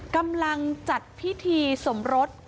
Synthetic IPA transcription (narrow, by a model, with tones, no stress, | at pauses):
ka˧mla˧ŋt͡ɕa˨˩t̪̚pʰi˦˥t̪ʰiː˧so˩˦mɾo˦˥t̪̚